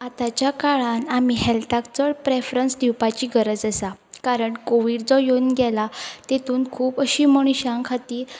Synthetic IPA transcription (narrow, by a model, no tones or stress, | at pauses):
at̪at͡ɕjakaɭanamiɦɛlt̪akt͡səɭpɾefɾənsd̪iwpat͡ɕiːɡəɾəd͡zəsakaɾəɳkoʋiːɽd͡zɔjonɡɛlat̪et̪uːnkʰuːpəɕiːməɽ̃uɕãŋkʰat̪iːɾ